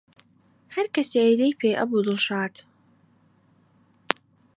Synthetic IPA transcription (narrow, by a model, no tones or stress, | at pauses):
hɐɾkɐsed̪ejpʰeːjʔɐ̰bud̪ɨlˠʃaːt̪